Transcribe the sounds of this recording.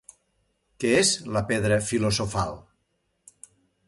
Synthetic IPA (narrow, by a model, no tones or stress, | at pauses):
keezləpeðɾəfilozofalˠ